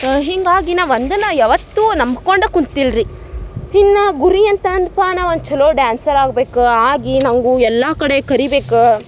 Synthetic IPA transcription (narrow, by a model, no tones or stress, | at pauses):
ɦiŋɡaːɡinaːʋond̪ɐnɐjɐʋɐt̪ːunɐmɡkoɳɖɐkunt̪ilɾi | hinːɐɡuɾijɐnt̪ɐɐnd̪paːnɐond̪ut͡ʃɛloːɖjaːnsɐɾaːɡbeːkuaːɡinɐŋɡuɛlːɐkɐɽekɐɾibeːku